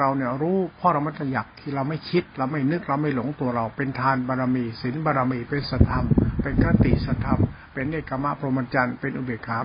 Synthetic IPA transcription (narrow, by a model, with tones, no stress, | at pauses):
ɾa˧wni˧˩ɐɾuː˦˥pʰɔː˧˥˩ɾa˧wma˥˩t̪ʰa˧˩jaː˨˩k̚t̪ʰiː˧˩ɾa˧wma˥˩jkʰi˦˥t̪̚ɾa˧wma˥˩jnɯ˦˥k̚ɾa˧wma˥˩jlo˩˦ŋt̪u˧ɐɾa˧wpe˧nt̪ʰaː˧nbaː˧ɾaː˧miː˧si˩˦nbaː˧ɾaː˧miː˧˩pe˧nsa˧˩t̪ʰa˧mpe˧nkɾa˦˥t̪i˨˩sa˧˩t̪ʰːa˧m | pe˧nːeː˥˩kːa˧ma˦˧˥pʰɾo˧ma˧nt͡ɕa˧npe˧nʔu˨˧˩beː˨˩kʰːaː˩˦